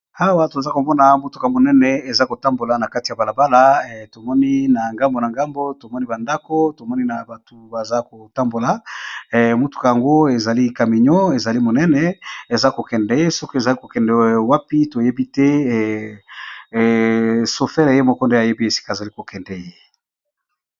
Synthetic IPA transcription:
a˦wa˨˦to˨a˨za˦ko˨mɔ˦na˨mo˦tu˦ka˨mo˨nɛ˦nɛ˨e˨za˦ko˨ta˦mbo˨la˨na˨ka˦ti˨ja˨ba˨la˨ba˦la˦˨to˨mɔ˦ni˦na˨ŋɡa˦mbo˨na˨ŋɡa˦mbo˦to˨mɔ˦ni˦ba˨nda˦ko˦to˨mɔ˦ni˦na˨ba˨tu˨ba˨za˦ko˨ta˦mbo˨la˨ | mo˦tu̥˨ka˨ja˨ŋɡo˦e˨za˨li˦ka˨mi˨ɲɔ˦e˨za˨li˦mo˨nɛ˦nɛ˨e˨za˦ko˨kɛ˨ndɛ˨˦je˦sɔ˦ko˦e˨za˨li˦ko˨kɛ˨ndɛ˨wa˦pi˦to˨je˦bi˦tɛ˦˨ | so˨fɛ˦ʁe˨je˦mɔ˦kɔ˦nde˦a˨je˦bi˦e˨si̥˦ka˨za˨li˦ko˨kɛ˨ndɛ˨je˦

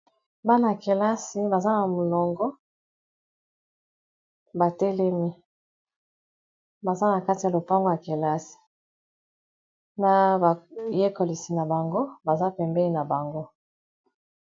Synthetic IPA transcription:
ba˦na˨ke˨la˦si˨ba˨za˦na˨mo˨lɔ˨ŋɡɔ˦ | ba˨tɛ˦le˦mi˦ | ba˨za˦na˨ka˦ti˨ja˨lo˨pa˦ŋɡo˦ja˨ke˨la˦si̥˨ | na˨ba˨je˦ko˨li˨si˨na˨ba˨ŋɡo˦ba˨za˦pɛ˨mbɛ˦ni˦na˨ba˨ŋɡo˦

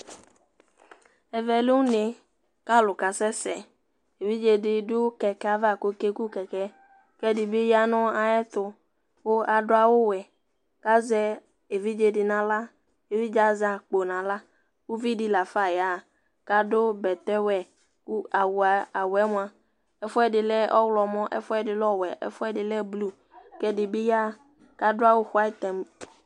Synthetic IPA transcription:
ɛ˨vɛ˨lu˦ne˨ | ka˦lʊ˨ka˨sɛ˦sɛ˨ | e˨vi˦d͡ʒe˨dɪ˨dʊ˦kɛ˨kɛ˦a˨va˨ko˨ke˦ku˦kɛ˨kɛ˦ | kɛ˦dɪ˨be˦ja˦nɔ̃˦a˨jɛ˦t̪ʊ˨ | wo˦a˨dʊ˦a˨wʊ˦wɛ˨ | ka˦zɛ˦ | e˨vi˦d͡ʒe˨dɪ˨nã˨la˦ | e˨vi˦d͡ʒa˦za˨k͡po˨nã˨la˦ | wo˦vi˦di˦la˨fa˦ja˨ | ka˦ɖo˦bɛ˨t̪ɛ˦wɛ˨ | ku˦a˨wu˨a˨a˨wɛ˦m˦ã˨ | ɛ˦fɔ˦ɛ˨dɪ˨lɛ˦ɔ˦wlɔ˨mɔ̃˦ʔɛ̰˦fɔ˦ɛ˦˨dɪ˨lɔ˦wɛ˨ʔɛ̰˦fɔ˦ɛ˦dɪ˨lɛ˦blu˦ | kɛ˦di˨be˦ja˦ | ka˦dʊ˦a˦wo˦xʷa˦t̪ɛ˨m

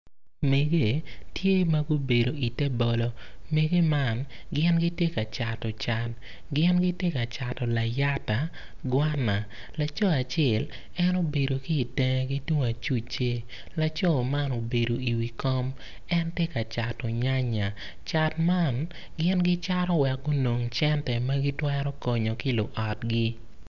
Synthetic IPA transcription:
me˨ɡe˦˨tje˦ma˦ɡo˦be˨do˨i˨tɛ˦bɔ˨lɔ˨me˨ɡe˦ma˦˨n | ɡɪ˦nɡɪ˦tje˦ka˨t͡ʃa˨tɔ˨t͡ʃa˨t | ɡɪ˦nɡɪ˦tje˦ka˨t͡ʃa˨tɔ˨la˨ja˦ta˨ | ɡwa˦na˨ | la˨t͡ʃɔ˦a˨t͡ʃɛ˦˨l | ɛ˦no˦be˨do˨kɪ˦i˨tɛ˦ŋ˦ɡi˦to˦ŋa˨t͡ʃu˦t͡ʃe˦ | la˨t͡ʃɔ˦˨ma˦no˨be˨do˨i˨wi˨kɔ˦m | ɛ˦ntje˦ka˨t͡ʃa˨tɔ˨ɲa˦ɲa˨ | t͡ʃa˨tma˦n | ɡɪ˦nɡɪ˦t͡ʃa˦ɾɔ˦wɛ˨k̚ɡo˦no˨ŋt͡ʃɛ˦ntɛ˨mɐ˦ɡi˦twɛ˦ɾɔ˦kɔ˨ɲo˨kɪ˦lo˨ʔɔ˨t̚ɡɪ˦

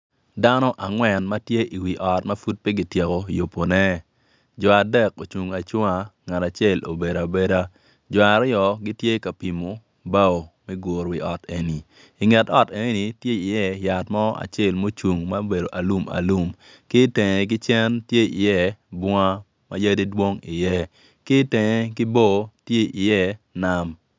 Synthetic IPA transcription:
da˦nɔ˦ʔa˨ŋwɛ˨nma˦tje˦ʔi˨wi˨ʔɔ˨tma˦fu˦t̚pɛ˦ɡi˦tje˨ko˨jo˨pːo˨nɛ˦ | d͡ʒɔ˨a˨dɛ˦˨ko˨t͡ʃu˨ŋa˨t͡ʃwo˦ŋa˨ŋa˨ta˨t͡ʃe˦˨lo̰˨be˨ɾa˨be˦ɾa˦ | d͡ʒɔ˨a˨ɾɪ˦jɔ˨ɡi˦tje˦ka˨pi˨mo˨ | ba˦o˨mɛ˦ɡo˨ɾwi˨ɔ˨te˨ni˨ | ɪ˨ŋɛ˨tɔ˦te˨˦ni˨tje˦i˨jɛ˦ja˨tmɔ˦a̰˨t͡ʃɛ˦˨lmo˦t͡ʃu˨ŋma˦be˨do˨ʔa˨lu˦ma̰˨lu˦m | kɪ˦tɛ˨ŋɛ˨k̬ɪ˦t͡ʃɛ˦ntje˦i˨jɛ˦˨bɔ˦ŋa˦ | ma̰˦ja˦di˦dwo˦ŋi˨jɛ˦ | kɪ˦tɛ˨ŋɛ˦kɪ˦bo˦tje˦ʔi˨jɛ˦na˦m

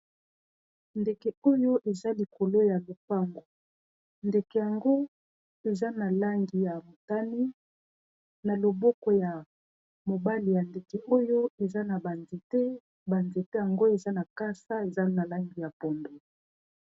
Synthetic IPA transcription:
nde˨ke˨o˦jo˦ʔe˨za˦li˨ko˨lo˦ja˨lo˨pa˦˨ŋɡo˨ | nde˨ke˨ja˨ŋɡo˦ | e˨za˦na˨la˦ŋɡi˨ja˨mo˨ta˦ni˦ | na˨lo˨bɔ˦kɔ˨ja˨ | mo˨ba˦li˨ja˨nde˨ke˨ʔo˦jo˦e˨za˦na˨ba˨nze˨te˦ | ba˨nze˨te˦ja˨ŋɡo˦e˨za˦na˨ka˦sa˦e˨za˦na˨la˦ŋɡi˨ja˨pɔ˨mbo˨

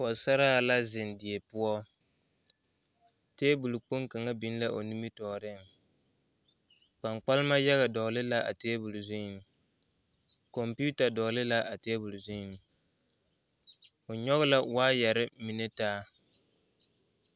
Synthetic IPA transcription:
ɔ˨sa˦ɾa˦˨la˦zɪ˨ndɪ˨ɛ˨pʊ˦ɔ˦ | teː˦bu˨lu˨k͡po˦ŋka˨ŋa˦bi˦n˦la˦ʔo˨ni˦mi˦tɔː˨ɾɪ˦˨ŋ | k͡pa˨ŋk͡pa˦lma˦ja˦ɣa˨dɔ˨lɪ˦la˦ʔa̰˨teː˦bu˨lzʊ˦ɪ˨ŋ˨ | kɔ˨mpu˦ta˨dɔ˨lɪ˦la˦ʔa˨teː˦bu˨lʊ˨zʊ˦˨ŋ˨ | o˨ɲɔ˦ɣʊ˦la˦waː˦jɛ˨ɾɪ˦mi˨nɛ˦taː˦

